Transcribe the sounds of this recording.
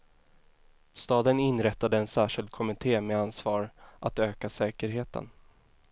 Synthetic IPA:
st̪ɑːd̪ənɪnːɾɛt̪ːad̪əɛnsæːʂɪld̪̚kʰɔmɪt̪ʰeːmeːansvɑːɾʔat̪øːkasɛːkəɾɦeːt̪ə̰n

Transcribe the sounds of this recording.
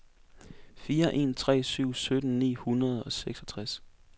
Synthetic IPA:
fiːɐʔe̝̰nt͡sʰʁɛ̰ːsyʊ̰sød̥n̩nḭːhunɐð̞ˠɒ̽seɡ̥sɒt͡sʰʁas

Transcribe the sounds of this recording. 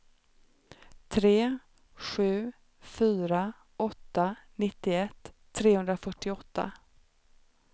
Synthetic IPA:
t̪ʰɾeː | ɧʉ̟ː | fyːɾa | ɔt̪ːanɪt̪ːɪɛt̪ʰː | ɾeːhɵnd̪ɾafœʈːɪɔt̪ːa̰

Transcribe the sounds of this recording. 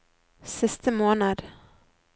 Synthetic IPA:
sɪst̪əmoːnad̪

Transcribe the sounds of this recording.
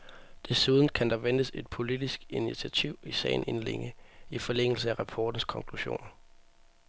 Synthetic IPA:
d̥e̝suðˠn̩kʰænd̥ɑ̈ʋend̥əse̝d̥pʰo̝lid̥isɡ̥init͡sʰiæt͡sʰiʊ̰isɛ̰ɪn̩e̝nle̝ŋəifɒ̽leŋ̰l̩səæʁɑpʰɒ̰ːd̥n̩skʰɒ̽ŋkʰluɕo̝̰ːn

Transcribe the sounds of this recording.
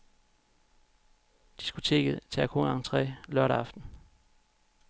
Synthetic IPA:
d̥i̥sɡ̥o̝t͡sʰe̝̰ːɡ̥ð̩ˠt͡sʰeækʰoŋɑ̈ŋt͡sʰʁɛ̰ːlœɐɾɐɑ̈fd̥n̩

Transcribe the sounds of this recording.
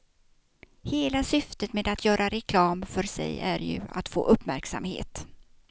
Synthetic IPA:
heːlasʏft̪ət̪meːd̪at̪ʰjœːɾaɾɛkʰlɑːmfœɾsɛ̰jæɾjɵ̰a̰t̪fo̰ːʔɵpːmæɾksa̰mhḛːt̪

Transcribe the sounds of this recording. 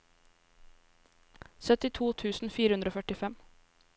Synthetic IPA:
sœt̪ɪt̪ʰuːt̪ʰʉːsn̩fiːɾəhʉnd̪ɾoːfœʈɪfɛm

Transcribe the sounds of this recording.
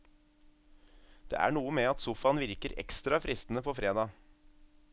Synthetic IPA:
d̪̥ḛːʔæ̰ːɳuːəmeːɑt̪sʊfɑnʋɪɾkəɾɛ̰kst̪ɾɑfɾɪst̪n̩əpʰoːfɾeːd̪ɑː

